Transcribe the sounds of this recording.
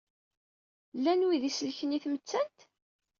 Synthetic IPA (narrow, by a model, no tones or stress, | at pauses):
lːænwiðisəlçəniθmət͡sːænt̪